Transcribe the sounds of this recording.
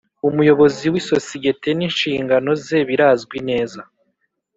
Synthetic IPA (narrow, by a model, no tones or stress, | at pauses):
umujo̞βo̞ziwiso̞siɡe̞te̞niːnʃiːŋɡano̞zeβiɾaːzɡwine̞ːza